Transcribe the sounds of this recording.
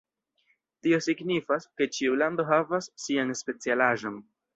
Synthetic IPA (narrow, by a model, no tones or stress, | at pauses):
tio̞siɡnifaske̞t͡ʃiulando̞ɦavasːianspe̞t͡sialaʒo̞n